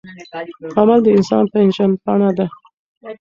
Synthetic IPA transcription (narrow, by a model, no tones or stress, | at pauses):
kɑmald̪əɪnsɑ̰npəɪnʒanpɑɳad̪a